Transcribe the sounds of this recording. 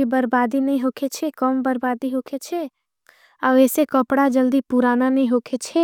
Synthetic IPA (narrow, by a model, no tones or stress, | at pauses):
ibəɾbaːd̪inɐĩɦoːkʰet͡ʃʰekəmbəɾbaːd̪iɦoːkʰet͡ʃʰe | aʋeːsekəpɽad͡ʒəld̪ipuɾaːnanɐĩɦoːkʰet͡ʃʰe